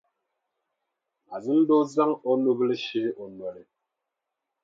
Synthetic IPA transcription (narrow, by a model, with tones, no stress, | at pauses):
a˨zi˦n̩˦dɔ˦za˦ŋɔ˦no˦ble˦ʃi˦ʔɔ˨nwɛ˨le˨